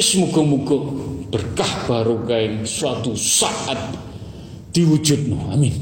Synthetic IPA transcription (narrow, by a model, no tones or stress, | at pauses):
smuɡ̥ɔmuɡ̥ɔb̥ərkahb̥aɾukaɪŋswat̪usaʔat̪̚ | d̪̥iwu̥ʒ̥ut̪̚nɔamin